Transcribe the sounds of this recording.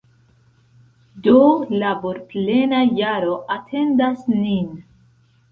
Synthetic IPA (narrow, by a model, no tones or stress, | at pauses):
dolaboɾple̞najaɾo̞ʔatʰe̞ndasnin